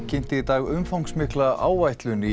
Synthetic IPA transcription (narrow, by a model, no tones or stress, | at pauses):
cɪn̥t̪ɪit̪aːɣʏmfawŋksmɪhklaʔa̰ːwvajht̪lʏni